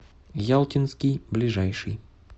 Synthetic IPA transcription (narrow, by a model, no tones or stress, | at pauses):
jalˠtʲɪnskʲɪjblʲɪʐajʂɨj